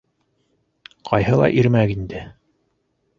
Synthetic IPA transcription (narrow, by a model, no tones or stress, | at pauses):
qʰɑjɦɤlˠɑ̰ʔiɾmækind̪ɘ